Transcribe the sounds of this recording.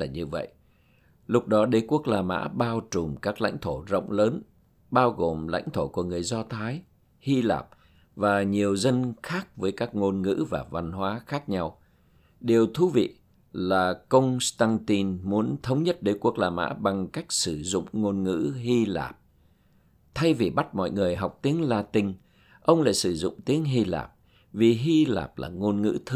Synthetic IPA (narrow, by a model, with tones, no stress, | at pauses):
aː˨˩ɲɨ˧və̰˧˨jʔ | lʊ˦˥k͡p̚ɗɔ˨˦ɗə˨˦jku˦˥ək̚laː˨˩mʔa̰ː˧˥ɓaː˧wt͡ɕʊ˨˩ŋ͡mkaː˦˥k̚la̰˧jŋ̟t̪ʰo˧˩zə̰˧˨wŋ͡mləː˨˦n | ɓaː˧wɣo˨˩mla̰˧˥jŋ̟t̪ʰo˧˩ku˧˩əŋɨ˨˩əjzɔ˧t̪ʰaː˨˦j | hi˧la̰ː˨˩p̚ | vaː˨˩ɲi˨˩əwzə˧nxaː˦˥k̚vəː˨˦jkaː˦˥k̚ŋo˧nŋɨ̰˧˥vaː˨˩va˧nɦwaː˨˦xaː˦˥k̚ɲa˧w | ɗe˨˩əwt̪ʰu˨˦vḭ˧˨ | laː˨˩kə˧wŋ͡mst̪aː˧ŋt̪i˧nmu˨˦ənt̪ʰə˨˦wŋ͡mɲə˦˥t̚ɗəː˨˦jku˧˨˩ək̚laː˨˩mʔa̰ː˧˥ɓa˨˩ŋka˦˥jk̟̚sɨ˧˩zʊ̰˧˨ŋ͡mŋo˧nŋɨ̰˧˥hi˧la̰ː˨˩p̚ | t̪ʰa˧jvi˨˩ɓa˦˥t̚mɔ̰˧˨jŋɨ˨˩əjɦa˨˩wk͡p̚t̪i˨˦əŋlaː˧t̪ï˧ŋ̟ | ʔə˧wŋ͡mla̰ː˧˨jsɨ˧˩zʊ̰˧˨ŋ͡mt̪i˨˦əŋɦi˧la̰ː˨˩p̚ | vi˨˩ɦi˧la̰ː˨˩p̚la̰ː˨˩ŋo˧nŋɨ̰˧˥t̪ʰɨ˧